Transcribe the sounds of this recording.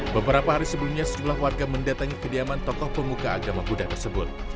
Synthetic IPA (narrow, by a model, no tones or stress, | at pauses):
bəbəɾapaɦaɾisəblumɲasət̪əlahwarɡaməndat̪aŋikədiamant̪ɔkɔhpəmukaːɡamabudaht̪ərsəbʊt̪̚